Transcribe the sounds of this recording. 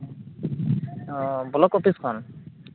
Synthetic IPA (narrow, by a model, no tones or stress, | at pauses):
bɔlɔkɔpʰiskʰɔn